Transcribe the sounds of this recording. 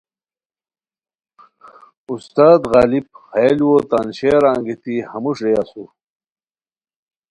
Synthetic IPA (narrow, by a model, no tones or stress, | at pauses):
ust̪aːd̪ɣaːlib̚xaliwot̪anɕeːɾaːŋɡit̪ihɐmuʂɾejasu